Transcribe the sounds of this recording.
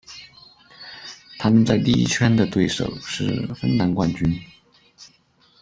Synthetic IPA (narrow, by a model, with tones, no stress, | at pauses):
t̪ʰa˥mə˨nt͡sa˥˧ɪlḭ˥˧˥t͡ɕʰɥɛ˥nd̪ə˨t̪we˥˩ɪʂo̰˨˩ʊʂɻ̩˥˧fə̰˥nna˧˥nkwa˥˧nt͡ɕy˥n